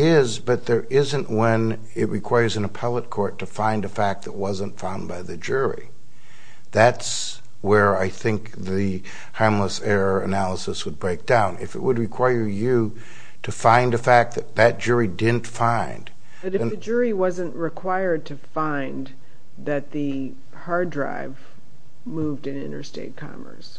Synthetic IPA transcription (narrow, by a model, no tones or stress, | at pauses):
ɪzbʌt̪̚ðə˞ɪzɨ̃nʔwə̃n | ɪt̚ɹɨkʰw̥aɪə˞zɨ̃nəpʰɛlˠət̚kʰɔɹtʰɨfãɪ̃ndɨfæk̚t̪̚ðɨt̚wʌzə̃ntfãʊ̃nbaɪðɨd͡ʒʊɹḭ | ðæts | wə˞aɪθɪ̃ŋk̚ | ðɨ | hamləsɛɹəɨnælˠəsəswəd̚bɹeɪk̚d̥ãʊ̃nɪ̰fɨ̰ʔ̚wəd̚ɹɨkʰw̥aɪə˞jɨ | ɾɨfãɪ̃nɨfæk̪̚ðɨt̪̚ðɨt̚d̥ʒ̥ʊɹidɪdⁿn̩tfãɪ̃nd | ʌɾɨ̃ɨd͡ʒʊɹiwʌzɨ̃nʔɹɨkʰw̥aɪə˞d̚tʰɨfãɪ̃n | ðɨt̪̚ðɨ | hɑɹdɹa̰ɪv | muvdɨ̃nɪ̰̃ñə̰˞stḛɪt̚kʰɑ̰mə̰˞s